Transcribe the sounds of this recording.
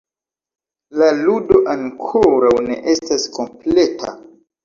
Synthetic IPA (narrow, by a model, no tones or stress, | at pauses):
laludo̞ʔaŋkʰoɾawne̞̰ʔe̞stasko̞mple̞tʰa̰